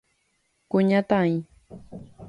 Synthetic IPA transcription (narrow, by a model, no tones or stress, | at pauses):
kʊɲat̪aĩ